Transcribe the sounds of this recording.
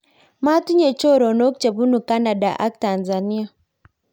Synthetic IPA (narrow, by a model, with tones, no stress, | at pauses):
ma˦tu˦ɲe˨t͡ʃo˦˨ɾɔ˨no˦kt͡ʃe˨βu˦nu˨ka˦na˨da˨ʔa̰˦k̚ta˨nza˨ni˦a˨